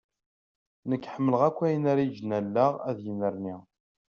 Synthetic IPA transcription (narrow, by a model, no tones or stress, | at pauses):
nəkːħəmːələʁækʷːæjənæɾjd͡ʒnælːaʁæðjənəɾni